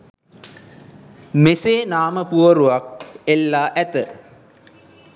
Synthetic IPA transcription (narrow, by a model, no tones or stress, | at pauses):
meseːnaːməpuʋɐɾuʋak̚elːaːʔæt̪ə